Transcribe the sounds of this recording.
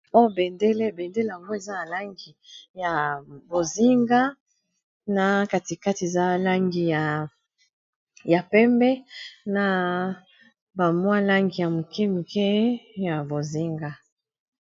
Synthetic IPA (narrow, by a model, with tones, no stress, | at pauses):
o˦jo˦be˨nde˦le˦be˨nde˦le˦ja˨ŋɡo˦e˨za˦na˨la˦ŋɡi˨ja˨bo˨zi˦ŋɡa˦ | na˨ka˨ti˨ka˦ti˨e˨za˦la˦ŋɡi˨ja˨ | ja˨pɛ˦mbɛ˦na˨ | ba˨mwa˦la˦ŋɡi˨ja˨mu˨kɛ˦mu˨kɛ˦ja˨bo˨zi˦ŋɡa˦